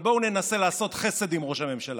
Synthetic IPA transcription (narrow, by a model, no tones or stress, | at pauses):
bo̞une̞nase̞laːso̞tχe̞se̞d̪imʁo̞ʃame̞mʃala̰